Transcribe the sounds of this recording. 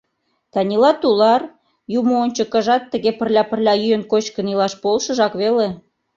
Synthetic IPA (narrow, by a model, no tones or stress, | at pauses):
t̪ɑnʲilɑt̪ulɑr | jumoonʲt͡ɕokə̆ʒɑt̪ːəɣepə̆rlʲɑpərlʲɑjyjənkot͡ɕkənilɑʃpolʃə̆ʒɑkβele